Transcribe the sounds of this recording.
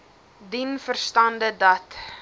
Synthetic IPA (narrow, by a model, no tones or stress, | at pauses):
dinfərstɐndədɐt